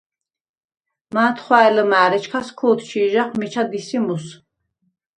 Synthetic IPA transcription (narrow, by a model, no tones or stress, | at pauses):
maːt̪ʰχwaɛləmaːɾɛt͡ʃʰkʰaskʰuːt̪ʰt͡ʃʰiːʒaχmit͡ʃʰad̪isimus